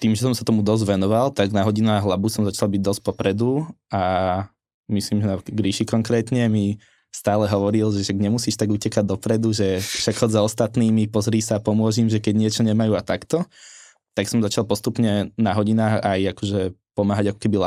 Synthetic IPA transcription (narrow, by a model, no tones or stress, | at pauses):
t̪iːmʒɛsɔmsat̪ɔmud̪ɔzɟʋɛnɔʋalt̪aɡnaɦɔɟinaːɣɦlabusɔmzat͡ʃalˠbiɟ̚d̪ɔsc̚pɔpɾɛd̪uʔa | misliːmʒɛnakɡɾiʃikɔŋkɾɛːt̪ɲɛmi | st̪aːlɛɦɔʋɔɾilʒɛʃaɡɲɛmusiːʃt̪aɡucɛkaɟ̚d̪ɔpɾɛd̪uʒɛfʃaɡhɔzaɔst̪at̪niːmipɔzɾiːsaːpɔmʊɔʒimʒɛkɛɟɲɪɛt͡ʃɔɲɛmajuːat̪akt̪ɔ | t̪aksɔmzat͡ʃalˠpɔst̪upɲɛnaɦɔɟinaːxajakɔʒɛpɔmaːɦaɟakɔ̥kɛbila